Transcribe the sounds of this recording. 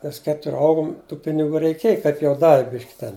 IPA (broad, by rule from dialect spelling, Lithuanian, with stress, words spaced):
ˈmʲɛs ˈkʲæːtʊrʲ ˈɐʊɡʊm tuː pʲɪnʲɪˈɡuː rʲɛɪˈkʲiɛj kɐɪp jɛʊ ˈdɑːʋʲɪ ˈbʲɪʃʲkʲɪ tʲɛn